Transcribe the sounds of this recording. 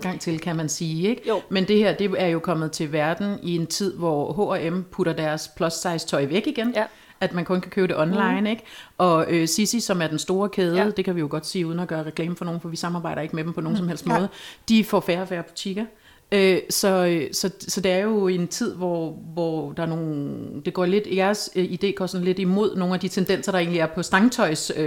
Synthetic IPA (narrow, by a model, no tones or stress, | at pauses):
ɡ̥ɑ̈ŋ̰t͡sʰe̝lkʰæmænsiːeɡ̥mend̥e̝heɐ̰d̥e̝æɐjo̝kʰɒ̽mð̞̩ˠt͡sʰe̝lʋæɐd̥n̩ie̝nt͡sʰið̞̰ˠʋɒɦoæempʰuɾɐd̥æɐspʰlɒ̽ssɑ̈ɪst͡sʰɒ̽ɪ̰ʋeɡ̥iɡ̥en | æd̥mænkʰɔ̽nkʰækʰøːʊd̥e̝ʔɒ̽nlɑ̈ɪneɡ̥ʔɒ̽øsisisɒ̽mæɐd̥ensd̥o̝ːɐkʰeːðˠəd̥e̝kʰæʋijo̝ɡ̥ɒ̽d̥siːuːð̞ˠn̩æɡ̥ɶːɐʁɛklɛ̰ːmfɒ̽no̝ːn̩fɒ̽ʋisɑ̈mɑ̈ːbɑ̈ɪ̰ɾɐe̝ɡ̥əmed̥em̩pʰɒ̽no̝ːn̩sɒ̽mhel̰sd̥mɔ̽ːð̩ˠd̥ifɒfæːɐɒfæːɐpʰɒ̥t͡sʰiɡ̥ɐ | øsɒ̽øsɒ̽sɒ̽d̥e̝æɐjo̝e̝nt͡sʰið̞̰ˠʋɒʋɒd̥ɑ̈æɐno̝ːd̥e̝ɡ̥ɒ̰ːle̝d̥jæɐsid̥e̝̰ːɡ̥ɒ̰ːsɔ̽n̩le̝d̥imo̝ð̞̰ˠno̝ːn̩æd̥it͡sʰend̥en̰sɐɾ̥ɑ̈e̝̰ːnliæɐpʰɒ̽sd̥ɑ̈ŋt͡sʰɒ̽ɪs